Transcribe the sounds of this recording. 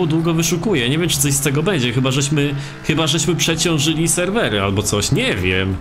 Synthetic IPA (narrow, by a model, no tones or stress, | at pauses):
ud̪wuɡɔvɘʂukujɛɲevʲjɛmt͡ʂɘt̪ɔɕst̪ɛɡɔbɛɲd͡ʑɛxɘbaʐɛɕmɘ | xɘbaʐɛɕmɘpʂɛt͡ɕɔ̃w̃ʐɘlʲisɛɾvɛɾɘalbɔt̪sɔɕɲɛvʲjɛ̰m